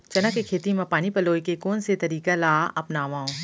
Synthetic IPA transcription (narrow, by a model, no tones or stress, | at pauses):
t͡ʃɐnəkekʰeːt̪imãpaːnipɐloːikekoːnset̪ɐɾiːkalaːɐpnaːʋãːõ